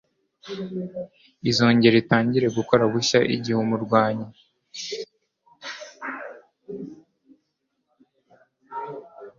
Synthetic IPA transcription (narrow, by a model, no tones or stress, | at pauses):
izo̞ːɲɟe̞ɾitaːɲɟiɾe̞ɡuko̞ɾaβuʃaʔḭɟihumuɾɡwaːɲe